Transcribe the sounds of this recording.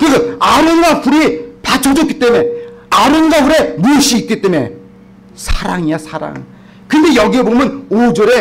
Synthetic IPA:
kɯɾikaaɾɯnɡapuɾipat͡ɕʰod͡ʑoki̥t͈e̞me̞aɾɯnɡabuɾe̞muɕ͈iːk͈̚it͈e̞me̞̰ | sʰaɾaŋiasʰaɾa̰ŋ | kɯnde̞jʌɡiebomjʌnod͡ʑʌɾe̞

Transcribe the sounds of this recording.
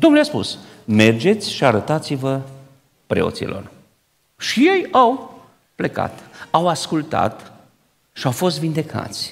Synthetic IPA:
d̪o̞mnuleaspṵs | me̞rd͡ʒe̞t̪sʲʃiaɾət̪at̪sivə | pɾe̞̰o̰sḭlʔo̞̰r | ʃije̞jaw | pleka̰t̪awaskult̪a̰t̪ | ʃiawfo̞s̬t̪vind̪e̞kʰa̰t̪sʲ

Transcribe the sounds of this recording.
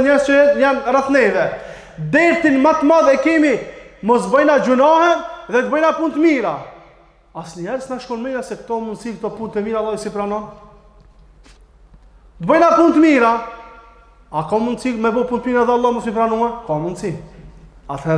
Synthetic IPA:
ɲɛɾzt͡ʃɔɛɲamraθnɛjvɛ | d̪ɛɾt̪inmat̪maðɛkimimɔsbɔjnad͡ʒunahɛnðɛt̪̚bɔjnapunt̪əmiɾa | asɲɛɾsnaʃkɔnmɛjnasɛkt̪ɔmund̪sikt̪ɔpunt̪ɛmiɾalːˠaisipɾanɔn | d̪əbɔjnapunt̪əmiɾa | akɔmund̪simɛbɔpunt̪miɾaðɛalˠːɔmɔsmipɾanuakɔmund̪si | at̪hɛɾ

